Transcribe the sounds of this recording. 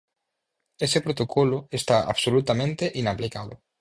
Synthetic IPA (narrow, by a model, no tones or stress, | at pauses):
esepɾot̪okʰolʊest̪aa̰βsolut̪amẽnt̪eʔinaplikaðʊ̰